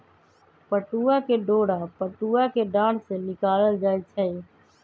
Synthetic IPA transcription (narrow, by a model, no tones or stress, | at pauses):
pəʈuːakeɖoːɽapəʈuːakeɖãːɽsenɪkaːləld͡ʒaːet͡ʃʰɛi